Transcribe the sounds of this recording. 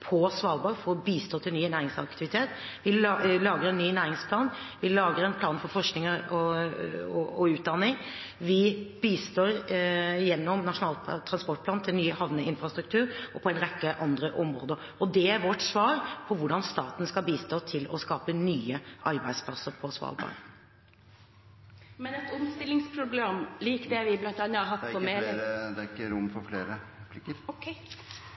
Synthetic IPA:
pʰɔsʋɑːlbɑfɔɔbiːst̪ʰoːt̪ʰɪlnyːnæːɾɪŋsɑ̰kt̪ɪʋɪt̪ʰeːt̪ | ʋɪlɑːɡəɾɛnnːyːnæːɾɪŋspʰlɑːnʋɪlɑːɡəɾɛnpʰlɑːnfɔɾfɔʂknɪŋəɾɔ | ɔɔʉːt̪̚d̪ɑnːɪŋ | ʋɪb̥iːst̪oːɾɪjɛnːɔmnɑʂʊnɑːlt̪ʰɾɑnspɔʈ̚ːpʰlɑːnt̪ʰɪlnyːəhɑʋnəɪnfʁɑst̪ɾʉk̚t̪ʰʉːɾɔpʰɔɛnɾɛkːəʔɑnd̪ɾəʔɔmɾo̰ːd̪əɾ | ɔd̪ɛæɾʋɔʈsʋɑːɾpʰɔʋʊɖɑnst̪ɑːt̪n̩skɑlbiːst̪oːt̪ʰɪlɔ̰skɑːpənyːəʔɑɾbæɪ̥spʰlɑsːəɾpʰɔsʋɑ̰ːlbɑ̰ːn | mɛnɛt̪ʊmst̪ɪlːɪŋspʰɾʊbleːmliːkd̪ɛʋɪblɑnt̪ɑnːəɑɦɑt̪ːpɔmeːd̪æɾɪkːəɾʊmːfɔɾfleːɾəpʰlɪkəɾkʰ

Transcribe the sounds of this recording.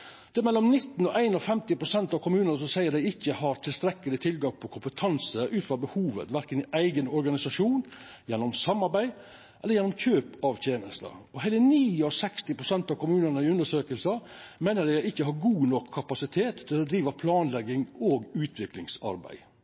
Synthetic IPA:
d̪̥ɛæɾmɛlːɔmnɪt̪ːn̩ɔʔæɪnɔfɛmt̪ɪpɾʊsɛnt̪ɑʋkʰʊmʉːnənəsɔsæɪəd̪æɪɪçːəhɑɾt̪ʰɪlst̪ɾɛkːəlɪt̪ʰɪlɡɑŋpʰɔkʰʊmpət̪ʰɑnsəʔʉːt̪fɾɑbəhuːʋə̰t̪ʋæɾkənɪʔæɪɡənɔɾɡɑnɪsɑʂuːn | jɛnːɔmsɑmːɑɾbæɪ | ʔɛlːəɾjɛnɔmçʰøːpɑʋt̪ʰjeːnəst̪ə̰ɔɦæɪləniːɔsɛkst̪ɪpɾʊsɛnt̪ɑʋkʊmʉːnənəɪʉnd̪əʂøːkəlsəmæɪnəɖæɪɪçːəɦɑɾɡuːnɔkʰːɑpɑsɪt̪ʰeːt̪ʰːɪlɔd̪ɾiːʋɑpʰlɑːnlɛɡːɪŋoːɡʉːt̪ʰʋɪklɪŋsɑ̰ɾbæ̰ɪ

